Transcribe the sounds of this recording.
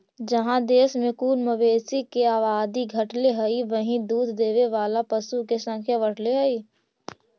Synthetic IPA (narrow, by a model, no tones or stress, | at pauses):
d͡ʒɐɦãd̪eːsmẽkuːnməʋeːsikeaːʋaːd̪iɡʱəʈleɦəiʋəɦĩd̪uːd̪ʱd̪eːʋeʋaːlapəsukesə̃ŋkʰjaʋəʈleɦəiː